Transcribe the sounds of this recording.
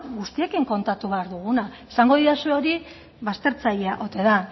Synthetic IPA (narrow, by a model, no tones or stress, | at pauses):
ɡust̪ie̞kiŋko̞nt̪at̪uβeaɾðuɣ̞unaesaŋɡo̞ðiasueo̞ɾi | βast̪e̞ɾt͡saʎeaʔo̞t̪e̞ða